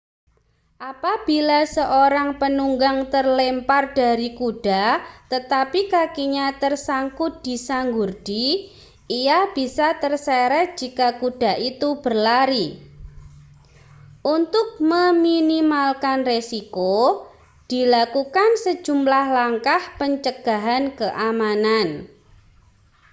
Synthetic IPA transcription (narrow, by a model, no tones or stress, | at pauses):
ʔapab̥ilasəʔoɾaŋpənuŋɡaŋt̪ərlempard̥a̤ɾikuɖ̥a̤t̪ət̪apikakiɲat̪ərsaŋkʊt̪̚d̥isaŋɡurd̥i | ijab̥isat̪ərsɛɾɛhd͡ʒ̥ikakuɖ̥a̤ʔit̪ub̥ərlaɾi | ʔunt̪ʊk̚məminimalkanresiko | d̥i̤lakukansə̥d͡ʒ̥ṳmlahlaŋkahpəɲt͡ʃəɡ̥a̤ɦankəʔamanan